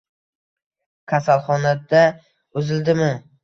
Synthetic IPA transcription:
kʲʰasalˠχɒnad̪a | ʊzɪld̪ɪmɪ

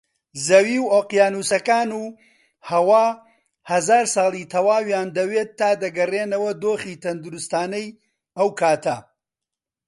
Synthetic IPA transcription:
zɐwiːwoːqjaːnuːsɐkaːnuː | hɐwaː | hɐzaːɾsɑːlˠiːt̪ʰɐwaːwjaːnd̪ɐweːt̪ʰːaːd̪ɐɡɐreːnɐwɐd̪oːχiːt̪ʰɐnd̪uɾust̪aːnɐj | ɐwkʰaːt̪ɐ

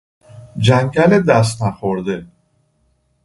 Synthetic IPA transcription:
d͡ʒæŋkæled̪æs̬t̪næxoɾd̪e

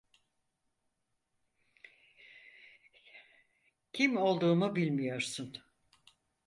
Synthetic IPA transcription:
cʰimo̞lˠd̪uːmubilʲmijo̞ɾsun

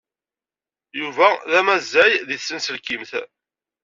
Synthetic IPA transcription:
juvæðæmæzːæjðiθsːənsəlkimθ

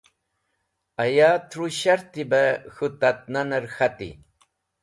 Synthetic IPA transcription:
ajaːt̪ɾuʃaɾt̪ɪbaxʊt̪at̪̚nanaɾxat̪ḭ

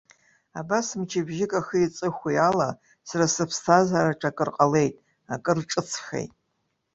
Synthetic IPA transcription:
abasmt͡ʃʰɪbʒɪkʼaxəit͡sʼɨxʷijala | sarasɨpʰstʰazaɾaʈ͡ʂʰakʼɨrqʼale̞jtʼ | akʼɨrʈ͡ʂʼɨt͡sʰxḛjtʼ

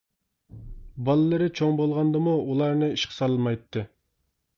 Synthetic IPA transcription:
bɑlˠɨlˠɨɾɪt͡ʃʰoŋbolˠʁɑnd̪ɨmuulˠɑɾnɨiʃqʰə̥sɑlˠɨmɑjt̪ʰːɨ

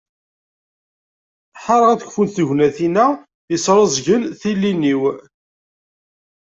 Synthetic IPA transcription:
ħɑɾˤʁæθəkfunθəʝnæθinæ | jəsɾˤɑzʝənθilːiniw

